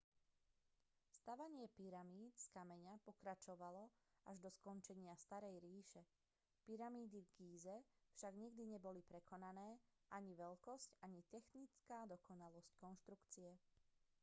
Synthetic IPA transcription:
st̪aʋaɲɪɛpiɾamiːt̪skamɛɲapɔkɾat͡ʃɔʋalɔaʒd̪ɔskɔnt͡ʃɛɲɪast̪aɾɛjɾiːʃɛ | piɾamiːd̪ivɡiːzɛfʃaɡɲɛɡd̪iɲɛbɔlipɾɛkɔnanɛːʔaɲiʋɛlkɔscaɲit̪ɛxnit͡skaːd̪ɔkɔnalɔsckɔnʃt̪ɾukt͡siɛ

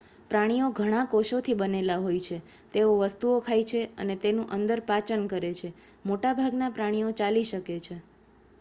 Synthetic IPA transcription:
pɾaɽ̃ijoɡʱəɽ̃ãkoʃot̪ʰibənelaɦojt͡ʃʰe | t̪eoʋəst̪uokʰajt͡ʃʰeə̰net̪enũʔənd̪əɾpat͡ʃənkəɾet͡ʃʰe | moʈabʱaɡnapɾaɽ̃ijot͡ʃaliʃəket͡ʃʰe

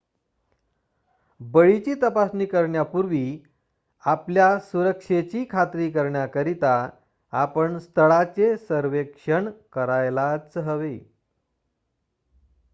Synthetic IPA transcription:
bəɭit͡ɕiːt̪əpasniːkəɾɳjapuɾʋiː | apljasuɾəkʂet͡ɕiːkʰat̪ɾiːkəɾɳjakəɾit̪a | apəɳst̪ʰəɭat͡sesəɾʋekʂəɳkəɾajlat͡səɦəʋe

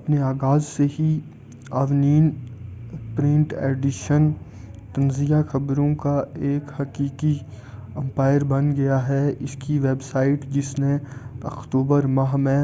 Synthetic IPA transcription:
ɐpneaːɣaːzseɦi | aːʋniːn | pɾɪ̃ɳʈeːɖɪʃən | t̪ɐnzijaxɐbɾõkaeːkhɐkiːki | ɛ̃mpaːɪəɾbɐ̃nɡɐjaɦɛɪskiʋeːbsaːɪʈd͡ʒɪsneɐkt̪uːbəɾmaɦmɛ̃

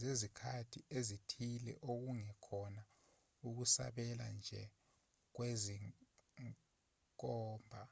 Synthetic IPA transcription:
zezikʰatʰiʔezitʰilɛ̰ʔok̬uŋɛkʰɔna | uk̬usa̰ɓɛla̰nd͡ʒʱɛ | k̬weziŋ | k̬ʼɔːmbʱa

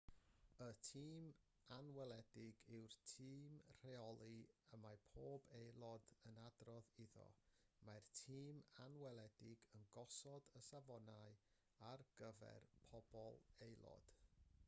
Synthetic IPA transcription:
ətʰiːm | anwɛlˠɛdɪɡɪwrtʰiːmr̥eɔlˠiəmajpʰoːbejlˠɔdənadrɔðiðɔ̰martʰiːmanwɛlˠɛdɪɡənɡɔsɔdəsavɔnaɨ | arɡ̥əvɛ̰rpʰɔbɔlˠejlˠɔ̰d̥

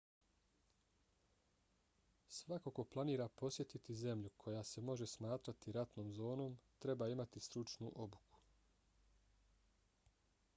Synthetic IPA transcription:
sʋako̞ko̞plˠaniːɾapo̞sje̞t̪it̪ize̞mʎukʰo̞jase̞mo̞ʒe̞smaːt̪ɾat̪iɾat̪no̞ːmzo̞ːno̞mt̪ɾe̞baːimat̪ist̪ɾut͡ʃnṵʔo̞bukʰu̥

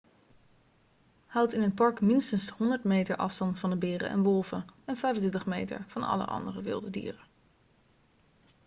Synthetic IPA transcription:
hʌwtɪnətpɑɹkmɪnstənshɔndəɹtmejtəɹʔɑ̰fstɑntfɑndəbɪːrə̰ɛ̰nʋɔlˠvəɛnfɛjfəntɛtəχmejtə̰ɹv̥ɑnɑ̰lə̰ʔɑ̰ndərəʋɪ̰lˠdədḭːrə

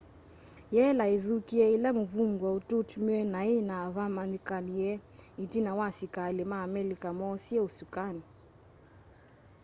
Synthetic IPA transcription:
jɛlaiðukiɛilamuβuŋɡwaututmɛnainavamanikanijɛitinawasikalɛmaːmɛlikamɔsiɛusukani

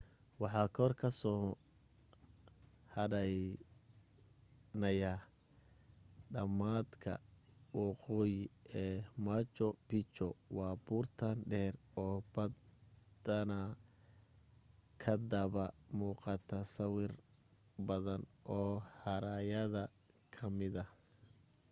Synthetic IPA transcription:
wɑħɑːkʰɔrkʰɐsɔː | hɐɾɐj | nɐja | ɖɐmaːd̪kʰɐ̰wɑqɔːjɪɛːmat͡ʃɔbɪt͡ʃɔwɑːbuːrt̪ʰanɖɛːrɔːb̥ɐdd̪ɐnɐ | kʰɐd̪ɐβɐmuːqɑt̪ʰɐsɐwɪr | bɐðɐnʔɔːhɐɾajɐðɐ | kʰɐmɪðɐ

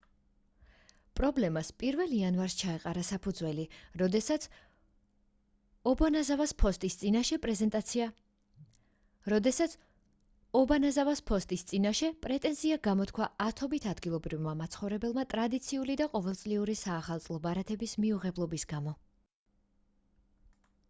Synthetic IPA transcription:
pʼɾɔblɛmaspʼiɾvɛlianvaɾst͡ʃʰaɛqʼaɾasapʰud̪zwɛlid̪ɛ | ɔbanazavaspʰɔst̪ʼist̪sʼinaʃɛpʼɾɛzɛt̪ʼ | ɾɔd̪ɛsat̪s | ɔbanazavaspʰɔst̪ʼist̪sʼinaʃɛpʼɾɛt̪ʼɛnziaɡamɔt̪kʰwaat̪ʰɔbit̪ʰad̪ɡilˠɔbɾivmamat̪sʰχɔvɾɛbɛlˠmat̪ʼɾad̪it̪sʰiulid̪aqʼɔvɛlˠt̪sʼliuɾisaːχalˠt̪sʼlˠɔbaɾat̪ʰɛbismiuʁɛblˠɔbisɡamɔ

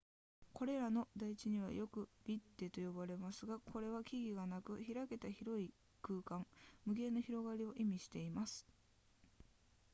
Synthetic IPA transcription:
ko̞ɾe̞ɾano̞d̪ait͡ɕiɲ̟iβ̞a̰jo̞kɯ̟bʲit̪ːe̞t̪o̞jo̞baɾe̞masɨɡakʰo̞ɾe̞β̞akʲiɡʲiɡanakɯ̟çiɾake̞t̪açiɾo̞i | kɯːkãŋmɯ̟ɡe̞noçʲiɾo̞ɡaɾʲio̞ʔimʲiɕi̥t̪e̞imasɨ̥

